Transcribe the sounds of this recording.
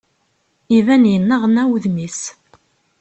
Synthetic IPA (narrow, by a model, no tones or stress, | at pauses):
ivænjənːəʁnæwðmis